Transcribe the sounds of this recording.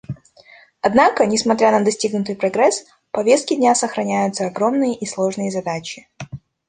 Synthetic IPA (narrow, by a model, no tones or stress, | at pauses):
ɐd̪nakənʲɪsmɐt̪ɾʲanəd̪ɐsʲtʲiɡnʊt̪̬ɨjpɾɐɡɾɛs | pɐvʲe̞st̪̚kʲɪdʲnʲasəxɾɐnʲæjʊt̪səɐɡɾo̞mnɨjəʔislˠo̞ʐnɨjəzɐd̪at͡ɕɪ